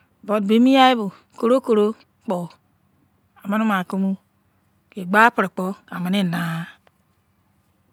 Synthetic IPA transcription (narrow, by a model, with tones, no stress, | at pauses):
bo˨dbe˦mi˦ja˦i˦bu˨ | ko˨ɾo˦ko˨ɾo˦ | k͡pɔ˨ | a˨ma˦nu˦ma˨ko˦mu˦ | ke˨ɡ͡ba˦pə˨ɾi˨k͡pɔ˦ka˨ma˨ne˦˨na˨˦